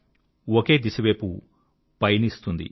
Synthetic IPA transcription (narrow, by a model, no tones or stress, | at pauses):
oke̞ːd̪isɐʋeːpu | pɐjnist̪und̪ḭ